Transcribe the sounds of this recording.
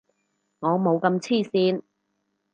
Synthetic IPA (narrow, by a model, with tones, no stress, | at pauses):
ŋɔː˨˧mo˨˧wkɐ˧mt͡sʰiː˥˩siː˧n